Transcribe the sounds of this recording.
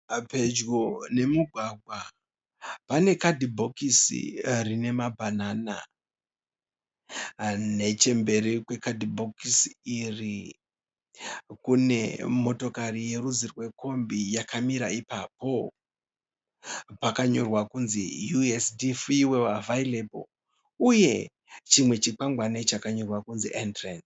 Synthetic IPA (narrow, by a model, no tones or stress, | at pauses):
pe̞d͡ʒɡone̞muɡʱwaɡʱwa | pane̞kadʱibʱo̞kisḭrine̞mabʱanana̰ | ne̞t͡ʃe̞mbe̞ɾikwe̞kadʱibʱo̞kisiiri | kune̞mo̞to̞karije̞ruzirwe̞ko̞mbijakʰamiɾaipapo̞ | pakaɲo̞rwakunzijuesdifiwewavailebo̰ | uje̞ | t͡ʃimwe̞t͡ʃik͡paŋɡwanet͡ʃakaɲo̞rwakunziʔentrens